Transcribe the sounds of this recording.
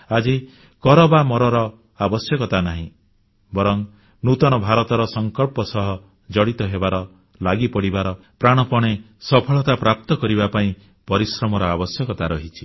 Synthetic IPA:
ad͡ʒi | kɔɾɔbamɔɾɔɾɔ | abɔsjɔkɔt̪anaɦĩ | bɔɾɔŋ | nut̪ɔɽ̃ɔbʱaɾɔt̪ɔɾɔsɔŋkɔɭpɔsɔɦɔ | d͡ʒɔɽit̪ɔɦebaɾɔ | laɡipɔɽibaɾɔ | pɾaɽ̃ɔpɔɽ̃e | sɔpʰɔɭɔt̪apɾap̚t̪ɔkɔɾibapaĩ | pɔɾisɾɔmɔɾɔabɔsjɔkɔt̪aɾɔɦit͡ʃʰi̥

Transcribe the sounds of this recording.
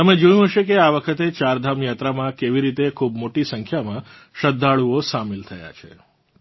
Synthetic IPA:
t̪əmẽd͡ʒojũɦəʃekeaʋəkʰət̪et͡ʃaɾd̪ʱamjat̪ɾamãkeʋiɾit̪ekʰubmoʈisəŋkʰjamã | ʃəd̪ʱːaɭuosamilt̪ʰəja̰t͡ʃʰḛ

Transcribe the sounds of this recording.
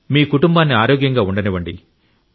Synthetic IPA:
miːkuʈumbaːnːiaːɾoːɡjɐŋɡaːuɳɖɐniʋɐɳɖḭ

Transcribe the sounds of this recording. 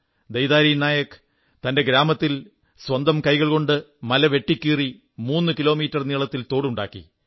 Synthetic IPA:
d̪ejd̪aːɾijnaːjɐkɨ̥ | t̪ɐnde̞ɡɾaːmɐt̪ːil | sʋɐnd̪ɐmkɐjɣɐɭko̞ɳɖɨmɐlɐʋe̞ʈːikʲːiːri | muːnːɨkilo̞ːmiːtːɐrniɭɐt̪ːilt̪o̞ːɽuɳɖa̰ːkːḭ

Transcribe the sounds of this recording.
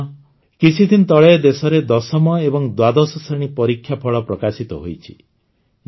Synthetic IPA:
kit͡ʃʰid̪ʰʱint̪ɔɭeed̪esɔɾed̪ɔsɔmɔebɔŋd̪wad̪ɔsɔseɽ̃ipɔɾikʰːjapʰɔɭɔpɾɔkasit̪ɔɦojt͡ʃʰi̥

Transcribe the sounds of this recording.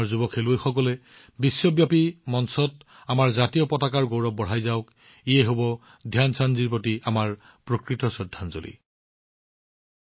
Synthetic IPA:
ɹzubɔkʰelujxɔkɔlɛ | bisːɔbjapimɔnsɔt | amaɹzatijɔpɔtakaɹɡowɹɔp̚bɔɦajzaʊk | ijɛɦobɔ | dʱjansanziɹpotiamaɹ | pɹokɹitɔsɔdʱːanzo̰lḭ

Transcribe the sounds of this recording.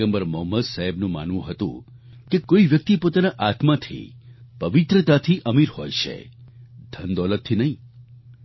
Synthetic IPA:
əmbəɾmɔɦməd̪saɦebnũma̰nʋũɦət̪ṵ̃ | kekoiʋjək̚t̪ipot̪anaʔat̪mat̪ʰḭpəʋit̪ɾət̪at̪ʰiʔəmiɾho̰jʃḛd̪ʱənd̪ɔlət̪ʰːinəɦĩ

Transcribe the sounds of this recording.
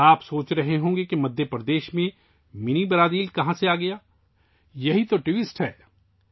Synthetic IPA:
aːpsoːt͡ʃɾɐɦeɦõːɡekemɐd̪ʱjəpɾɐd̪eːʃmẽ | mɪnibɐɾaːd̪iːlkɐɦãseaːɡɐjaː | jɐɦit̪oʈʋɪsʈɦɛː

